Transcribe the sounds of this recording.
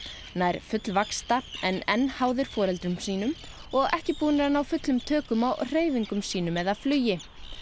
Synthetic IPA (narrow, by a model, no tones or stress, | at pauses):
najɾ̥fʏt̪lvakst̪aɛnɛnːhaːwðʏɾ̥fɔːɾɛlt̪ɾʏmsiːnʏm | ɔɣɛhcɪpuːnɪɾanːawfʏt̪lʏmt̪ʰœːkʏmawr̥eːjviŋkʏmsiːnʏmɛðaðflʏːjɪ